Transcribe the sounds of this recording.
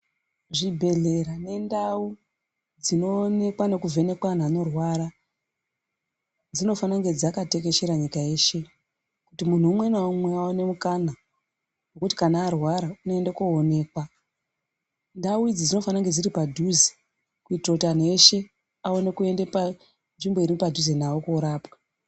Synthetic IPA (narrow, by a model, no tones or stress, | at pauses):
ʐibʱe̞ɮe̞ɾane̞ndau | d͡zino̞ne̞kwane̞kuvʱe̞ne̞kwan̤aːno̞rwaɾa | d͡zino̞fanaŋɡe̞d͡zakate̞ke̞ʃeɾaɲikae̞ːʃe̞ | kutimun̤uːmwe̞naumwe̞aone̞mukana | wokuti̥kanaːrwaɾauno̞endekoːne̞ːkwa | ndawid͡zid͡zino̞fanaŋɡe̞d͡ziɾipadʱuzi̥ | kuitrokutane̞ʃe̞ | ao̞ne̞kue̞ndepa | nʐimbo̞iɾiupadʱuzenawokoɾaːpwḁ